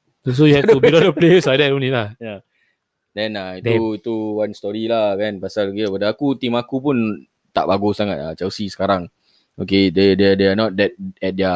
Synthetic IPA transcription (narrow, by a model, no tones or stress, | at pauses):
s̬ojuhɛtubilɔtəpleusadɛtõnĩlahja | dɛ̃naitit̪uwanst̪ɔɾilahkanpasalɡilabadaakut̪imakupun | t̪a̰ʔbaɡusaŋat̚a̰t͡ʃɛwsisə̥kaɾaŋ | okededɛdeanɔt̚dɛt̚ɛt̚də